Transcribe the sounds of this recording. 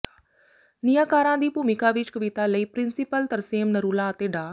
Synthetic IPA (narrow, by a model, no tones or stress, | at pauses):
nɪjãːkaːɾãːd̪iːpuːmɪkaːʋɪt͡ʃkəʋɪt̪aːləiːpɾɪnsɪpəlt̪əɾseːmnəɾuːlaːət̪eːɖaː